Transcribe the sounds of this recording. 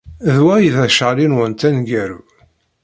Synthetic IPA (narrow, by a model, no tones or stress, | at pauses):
ðwæjðæʃlinwənt̪ænɡæɾ